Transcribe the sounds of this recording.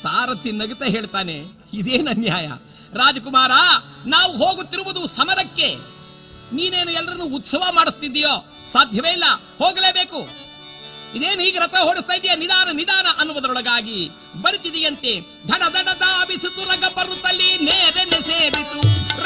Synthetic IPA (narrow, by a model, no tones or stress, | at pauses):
saːɾɐt̪ʰinɐɡut̪ɐɦeːɭt̪aːne | id̪eːnɐnjaːjɐ̰ | ɾaːd͡ʒɐkumaːɾɐnaːʋuɦoːɡut̪ːiɾuʋud̪usɐmɐɾɐkːe̞ | niːne̞ːnuɛlːɐɾɐnːuːt̪sɐʋɐmaːɽust̪id̪ːijoː | saːd̪ʱjɐʋeːjilːɐ | hoːɡɐleːbeːku | id̪eːnuɦiːɡeɾɐt̪ɐɦoːɽist̪aːjd̪ijɐnid̪aːnɐnid̪aːnɐʔɐnːuʋɐd̪ɐɾɔɽɐɡaːɡi | bɐɾit̪id̪ijɐnt̪e̞ | d̪ʱɐnɐd̪ɐɖɐd̪aɐbisut̪ːuɾɐɡɐpɐɾːut̪ːɐlːineːɐd̪eneseːbeku